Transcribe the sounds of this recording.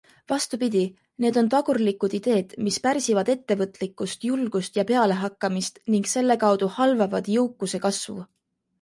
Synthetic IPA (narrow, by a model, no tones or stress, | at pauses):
vɑst̪upid̪̥ʲi | ne̞ːd̪o̞nt̪ɑɡ̥urlikːˑud̪̥id̪̥e̞ːd̪̥mispæɾsivɑd̪̥e̞t̪ːe̞vɤt̪ˑlikːˑust̪julɡ̥ust̪jɑpe̞ɑle̞ɦɑkːɑmist̪niŋɡse̞lːe̞kɑwd̪̥uhɑlvɑvɑd̪̥jɤwkːˑuse̞kɑsvṵ